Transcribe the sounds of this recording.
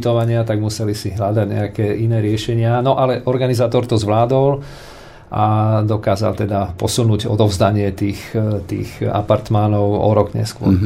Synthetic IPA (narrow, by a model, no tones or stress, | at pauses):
t̪ɔʋaɲɪat̪aɡmusɛlisiɦlad̪aɟɲɛ̰akɛːʔinɛːɾɪɛʃɛɲɪanɔʔalɛʔɔɾɡanizaːt̪ɔɾt̪ɔzʋlaːd̪ɔl | ʔad̪ɔkaːza̰lt̪ɛd̪apɔsunuːɟɔ̰d̪ɔʊzd̪aɲɪɛt̪iːxt̪ḭːxa̰paɾt̪manɔʊɔ̰ɾɔɡɲɛ̰skʊɔ̰ɾ